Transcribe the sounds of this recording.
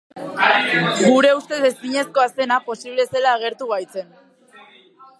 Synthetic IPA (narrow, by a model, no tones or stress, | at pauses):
ɡuɾe̞ust̪e̞ðesiɲe̞sko̞ase̞napo̞siβle̞se̞laːɣ̞e̞ɾt̪uɣajt͡se̞n